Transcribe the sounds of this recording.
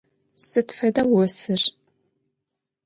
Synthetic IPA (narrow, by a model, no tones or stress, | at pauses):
sɨtfɐdɐwɔsɨr